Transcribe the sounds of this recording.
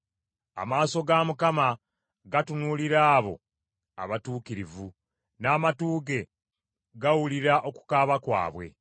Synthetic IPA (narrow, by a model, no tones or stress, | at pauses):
a̰maːso̞ɡamukama | ɡatunuliɾaːβo̞ | a̰βatuːkiɾivu | naːmatuːɡe̞ | ɡawuliɾaʔo̞ku̥kaːβakwa̰ːβwe̞̰